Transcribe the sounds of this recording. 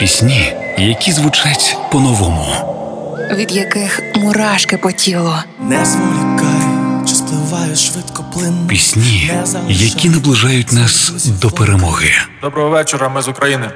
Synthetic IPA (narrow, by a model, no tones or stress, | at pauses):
pʲisʲnʲi | jɐkʲizʋʊt͡ʃatʲpɔnɔʋɔmʊ | ʋʲid̪jɐkɪxmʊɾɑʃkɪpɔtʲilˠɔ | nɛzɔlɪkɑjʊt͡ʃɐ̥st̪ɔʋɑjʊʃʋɪt̪kɔplˠɪnpʲisʲnʲijɐkʲinɐblˠɪʒɑjʊtʲnɑsd̪ɔpeɾemɔɣɪd̪ɔbɾɔɦɔʋɛt͡ʃeɾɐmɪzʊkɾɐjinɪ